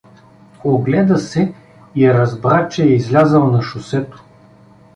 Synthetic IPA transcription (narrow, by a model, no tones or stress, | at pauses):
oɡlɛd̪ɐsɛ | iɾɐzbɾat͡ʃɛɛizlʲazəlˠnɐʃʊsɛt̪o̥